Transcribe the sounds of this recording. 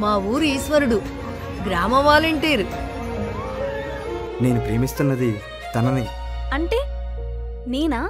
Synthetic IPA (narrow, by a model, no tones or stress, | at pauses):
maːʋuːɾiːsʋɐɾuɽu | ɡɾaːmɐʋaːleɳʈeːɾu | ne̞ːnupɾeːɐmist̪unːɐd̪i | t̪ɐnɐni | ɐɳʈeː | neːna